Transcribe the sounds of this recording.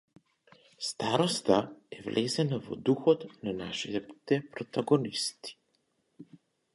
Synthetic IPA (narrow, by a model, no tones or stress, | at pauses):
st̪aɾɔst̪aɛvlʔɛzɛnavɔ̰d̪uxɔt̪nanaʃiɛt̪ɛpɾɔt̪aɡɔnist̪i̥